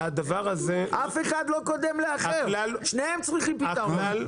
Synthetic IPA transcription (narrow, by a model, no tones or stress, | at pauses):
ad̪avaʁazeʔafeχad̪lo̞ko̞d̪e̞mleaχelalʃnejemt͡sʁiχimpittalal